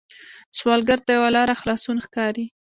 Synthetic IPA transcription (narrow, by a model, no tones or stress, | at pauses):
swɑlɡaɾt̪ajawalɑɾaxlɑsunxkɑɾi